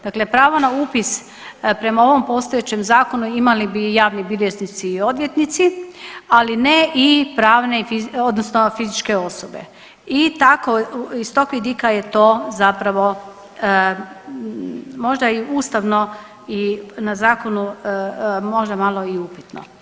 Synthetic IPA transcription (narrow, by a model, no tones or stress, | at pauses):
d̪̥akle̞pɾaːʋo̞nauːpis | pɾe̞mao̞ʋo̞mpo̞st̪ojet͡ɕe̞mzaːko̞nuimalibijaːʋnibiljeznit̪siːo̞d̪ʋjet̪nit̪sialine̞ʔipɾaːʋne̞ifiod̪nosnofizit͡ʃke̞o̞sobe̞̰ | it̪akoist̪o̞kʋʲid̪ikajet̪o̞ːzapɾaʋo̞ | mo̞ʒd̪aiuːst̪aʋno̞ | inazaːko̞nu | mo̞ʒd̪amalˠo̞iupit̪no̰